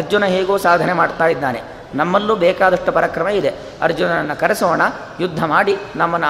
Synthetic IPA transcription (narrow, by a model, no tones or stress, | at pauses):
ɐɾd͡ʒunɐɦeːɡoːsaːd̪ʱɐnemaːɖt̪aːjid̪ːaːne̞̰ | nɐmːɐlːuːbɛːkaːd̪ɐʂʈːupɐɾakɾɐmɐid̪e̞ | ɐ̰ɾd͡ʒunɐɐnːɐkɐɾesɔʋɐɳɐ | jud̪ʱːɐmaːɽinɐmːɐnːu